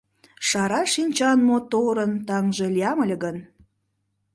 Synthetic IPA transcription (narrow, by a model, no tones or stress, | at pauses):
ʃɑɾɑʃinʲt͡ɕɑnmot̪oɾənt̪ɑŋʒelijɑməlʲeɡən